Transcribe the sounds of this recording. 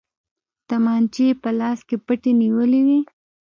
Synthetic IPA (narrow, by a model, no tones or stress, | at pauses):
t̪amɑnt͡ʃepəlɑskepəʈeniwəliwi